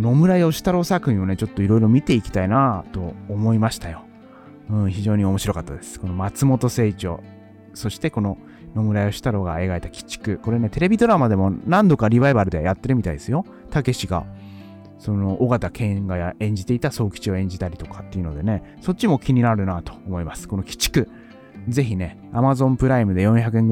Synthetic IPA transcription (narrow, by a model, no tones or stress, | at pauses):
no̞mɯ̟ɾaeo̞ɕi̥t̪aɾo̞ːsakɯ̟ɲĩone̞t͡ɕo̞t̪ːo̞iɾo̞iɾo̞mʲit̪e̞ikʲi̥t̪ainat̪o̞ːmo̞imaɕi̥t̪ajo̞ | ɯ̟̃ːçiʑo̞ːɲ̟io̞mo̞ɕiɾo̞kat̪ːad̪e̞sɨ̥ko̞no̞mat͡sɨmo̞t̪o̞se̞ːt͡ɕo̞̰ | so̞ɕi̥t̪e̞ko̞no̞ | no̞mɯ̟ɾaio̞ɕi̥t̪aɾo̞ːɡae̞ɡaet̪akʲi̥t͡ɕːi̥kɯ̟ko̞ɾe̞ne̞t̪e̞ɾe̞bʲid̪o̞ɾamad̪e̞mo̞nãnd̪o̞kaɾʲiβaibaɾɯ̟d̪e̞ajat̪ːe̞ɾɯ̟mʲit̪aḭd̪e̞sɨjo̞ | t̪ake̞ɕiɡa̰ | so̞no̞ʔoɡat̪akʰẽ̞ɡajaʔẽ̞ɲ̟d͡ʑit̪e̞it̪aso̞ːkʲi̥t͡ɕio̞ẽ̞ɲ̟d͡ʑit̪aɾʲit̪o̞kḁt̪ːe̞iɯ̟no̞d̪e̞ne̞so̞t̚t͡ɕːimo̞kʲiɲ̟inaɾɯ̟nat̪o̞̥ːmo̞imasɨ̥ko̞no̞kʲi̥t͡ɕi̥kɯ̟ | ze̞çine̞ | amazõ̞mpɯ̟ɾaimɯ̟d̪e̞jõ̞çakɯ̟ẽ̞ŋɡ